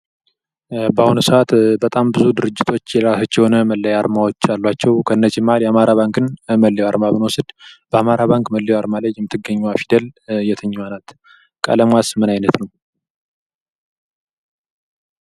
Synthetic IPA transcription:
bahunusəat̪bət̪ʼambɨzud̪ɨɾɨd͡ʒːɪt̪ʰo̞t͡ʃːjɛlɾasat͡ʃːɛhonəməlːəjaɾmawot͡ʃːalːwat͡ʃːɛwkʰəɨnːət͡ʃimaljɛamaɾaβaŋkɨnməlːijwaɾmabɨnwɔsɨd̪b̥əamaɾaβaŋkməlːijwaɾmaləjːɛmːɨt̪ʰːɨɡːəɲːuafid̪əljɛt̪ʰəɲːɛwanat̪ | kʼə̰ləmasmɨnajnət̪nəw

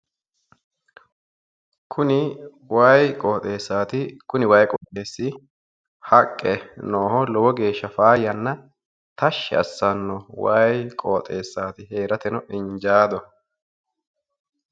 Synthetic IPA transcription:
kʰʊnɪ | waːjkʼoːt̪ʼe̞ːsːaːt̪ɪkʊnɪwaːjkʼɔːt̪ʼeːsːɪ | hɐkʼːɛnoːhɔlɔwɔɡe̞ːʃːɐfaːjɐnːɐ | t̪ɐʃːɛ̰ɐ̰sːɐnːɔwaːjkʼoːt̪ʼe̞ːsːaːt̪ɪhe̞ːɾɐt̪ɛnɔʔɪɲd͡ʒaːd̪ɔ

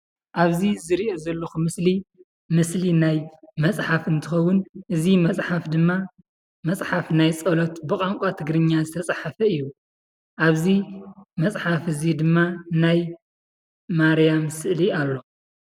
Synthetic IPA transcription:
ʔaβzizɨɾiʔozɐlːoxumɨsli | mɨslinajmɐt͡sʼħafɨnt̪ʰɨxɐwːʊnʔɨzimɐt͡sʼħafd̪ɨmːa | mɐsʼħafnajt͡sʼɐlot̪bɨkʼaŋkʷʼat̪ʰɨɡɾɨɲːazɨt̪ʰɐt͡sʼaħafɐɨjːu | ʔaβzimɐt͡sʼħafɨzid̪ɨmːanaj | maɾijamsɨʔlialːo̞

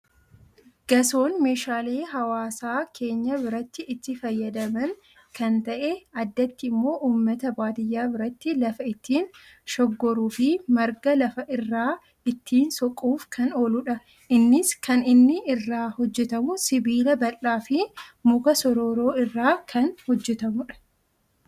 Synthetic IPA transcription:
ɡ̥ɐso̞ːnme̞ːʃaːleːɦɐwaːsaːkʰe̞ːɲːɐbɪɾɐt̪ːɪʔɪt̪ːɪfɐjːɐd̪ɐmɐŋ | kɐnt̪ɐʔeɐd̪ːɐt̪ːɪɪmːo̞ːʔuːmːɐt̪ɐbaːt̪ɪjːaːbɪɾɐt̪ːɪlɐfɐɪt̪ʰːiːn | ʃɔɡːɔɾuːfɪmɐɾɡɐlɐfɐʔɪrːaː | ɪt̪ːiːnsɔkʼːuːfkʰɐnoːlʊᶑɐ | ɪnːɪskɐnɪnːɪɪrːaːhɔd͡ʒːɛt̪ɐmʊsɪbiːlɐbɐlːaːfɪmʊkɐsɔɾo̞ːɾo̞ːɪrːaːkʰɐnhɔd͡ʒːɛt̪ɐmʊᶑɐ̥

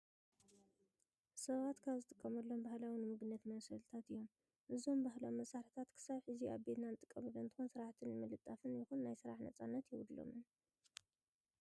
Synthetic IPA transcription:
sɐβat̪kʰaβzɨt̪ʼɨkʼːɐmɐlːo̞mbahlawinɨmɨɡnɐt̪mɐsɐlt̪ʰat̪ɨjːo̞m | ʔɨzo̞mbaɦlowmːɐsaɾt̪ʰat̪kʰɨ̥saβħɨzia̰βbe̞t̪nanɨt̪ʼɨkʼːɐmɐlːont̪ʰːɨxunsɨɾaħt̪ʰɨnːɨmɨlɨt̪ʼːafɨnjɪxunːajsɨɾaħnɐ̰t͡sʼanːɐt̪jɪwd̪lo̰mɨn

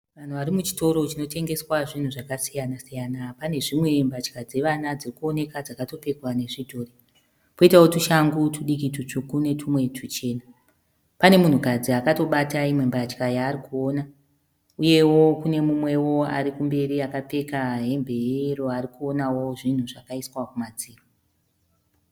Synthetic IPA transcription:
ʋan̤uʋaɾimut͡ʃi̥to̞ɾo̞t͡ʃino̞te̞ŋɡe̞swaʐin̤uʐakasijanasijanapane̞ʐimwe̞mbat͡ʃkad͡ze̞ʋanad͡zirikuo̞ne̞kad͡zakato̞pe̞kwane̞ʐidʱo̞ːri | po̞itawotuʃaŋɡutuɗik̬itut͡ʂukune̞tʰumwe̞tʰut͡ʃe̞ːna | pane̞mun̤ukad͡ziakato̞ɓataimwe̞mbat͡ʃkajaːrikuo̞ːna | uje̞wo̞kune̞mumwe̞wo̞a̰ɾikumbe̞ɾiakape̞kaɦe̞mbʱe̞ero̞arikuo̞nawo̞ʐin̤uʐakaiswakumad͡ziːro

